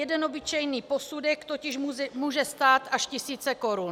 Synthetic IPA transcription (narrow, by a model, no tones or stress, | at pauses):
ɛdɛno̞bɪt͡ʃɛjniːpo̞sudɛkt̪o̞cɪʃmɛmuːʒɛst̪aːt̪ʔaʃcɪsiːt͡sɛko̞ɾun